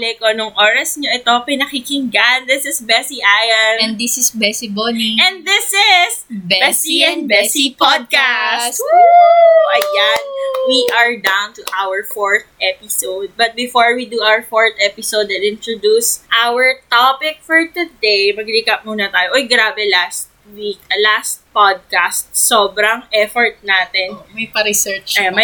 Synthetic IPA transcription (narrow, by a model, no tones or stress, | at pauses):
lɛkonʊŋʔoːɾɐsɲoʔɛt̪opɐjnɐkikɪŋɡand̪ɪsɪsbɛsiʔajɐnɛnd̪isɪsbɛsiboɛ̃nd̪ɪsɪsbbɛsiɛnbɛsipɔd̪̚kasoʔɐjanwiʔɐɹd̪ãwnt̪ʊʔawəɹfɔɹt̪̚ʔɛpɪsowd̪̚bɐt̪̚bɪfoɹwid̪uʔawəɹfoɹt̪ʔɛpɪsod̪ɛnɪ̃nt̪ɾod̪usʔawəɹt̪opɪk̚fɔɹt̪ʊd̪ɛjmɐɡlikɐp̚muːnɐt̪aːjoʔojɡɾaːbɛlast̪̚wikɐlast̪̚pod̪̚kast̪̚soːbɾɐŋʔɛfɔɹt̪̚naːt̪ɛnmɐpɐɾɪsɛt͡ʃɐjamɐ